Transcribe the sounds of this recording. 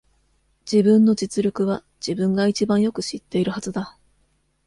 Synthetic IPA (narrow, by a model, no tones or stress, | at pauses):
d͡ʑibɯ̟̃nːo̞d͡ʑit͡sɨɾʲɯkɯ̟β̞ḁ | d͡ʑ̥ibɯ̟̃ŋɡait͡ɕibãɰ̃jo̞kɯ̟ɕit̪ːe̞iɾɯ̟hazɨd̪a